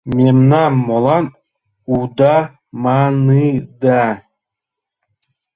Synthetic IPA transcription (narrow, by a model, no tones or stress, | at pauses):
mʲemnamːolˠɑn | ud̪ɑ | manɯd̪a